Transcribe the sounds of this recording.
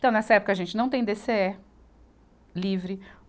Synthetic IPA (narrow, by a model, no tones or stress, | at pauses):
t̪ɐ̃w̃nɛsɐɛpʊ̥kɐːʒẽnt͡ʃɪnɐ̃w̃t̪ẽj̃d̪eseɛ | livɾɪ